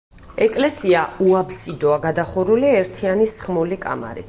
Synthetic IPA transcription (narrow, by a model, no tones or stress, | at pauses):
ɛkʼlɛsiauabsʼid̪ɔaɡad̪aχɔɾuliɛɾt̪ʰianisχmɔlikʼa̰ma̰ɾḭ